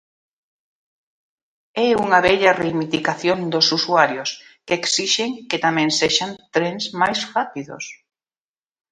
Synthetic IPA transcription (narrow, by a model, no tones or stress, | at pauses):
ɛuŋɐβɛʎɐremit̪ikaθjond̪osusuaɾjʊskeksiʃeŋket̪amɛ̃ŋseʃant̪ɾeŋzmajsfat̪iðʊ̰s